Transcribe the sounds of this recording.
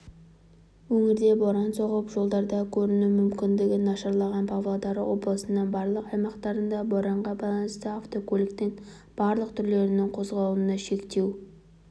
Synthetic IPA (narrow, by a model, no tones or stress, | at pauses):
wɵŋɪɾd̪e̞boɾɑnso̞ʁəpʒo̞lˠd̪ɑɾd̪ɑkʲʰɵɾɪnumʏmkʲɪnd̪ɪɡʲɪnːɑʃɑɾlˠɑʁɑnpʰɑvlˠod̪ɑɾwo̞blˠəsənəɴbɑɾlˠəqɑjmɑqt̪ɑɾənd̪ɑboɾɑɴʁɑbɑlˠɑnəst̪əɑft̪o̞kʰolʲɪkt̪en | b̥ɑɾlˠəqt̪ʰʏɾle̞ɾɪnɪŋqʰo̞zʁɑlˠənɑʃe̞kt̪e̞w